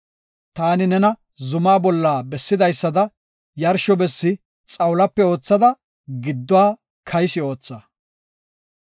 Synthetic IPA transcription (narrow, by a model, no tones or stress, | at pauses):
t̪aːnɪnɛnɐ | zʊmaːbɔlːaːbɛsːɪd̪ɐjsːɐd̪ɐ | jɐɾʃɔbɛsːɪ | t͡sʼɐwlɐpːɛo̞ːt͡sːɐd̪ɐ | ɡɪd̪ːɔwaː | kʰɐjsɪo̞ːt͡sːa